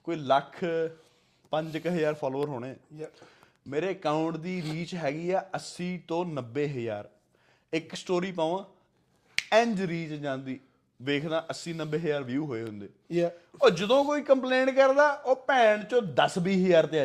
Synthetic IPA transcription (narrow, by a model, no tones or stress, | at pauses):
koːiːləkʰ | pəɲd͡ʒɪkɦəjaːɾpʰaːloːəɾɦoːɽeː | meːɾeːəkaːʊɳʈd̪iːɾiːt͡ʃɦɛːɡiːɛːəsiːt̪õːnəbːeːɦəja̰ːɾ | ɪksʈoːɾiːpaːʋãː | ɛ̃ɲd͡ʒɾiːt͡ʃd͡ʒãːnd̪iː | ʋeːkʰd̪ãːʔəsĩːnəbeːɦəjaːɾʋjuːɦoːeːɦʊ̃nd̪eːɔːd͡ʒəd̪õːkoːiːkəmplẽːɳʈkəɾd̪aːʔoːpɛːɳt͡ʃõːd̪əsbiːɦəjaːɾt̪eaː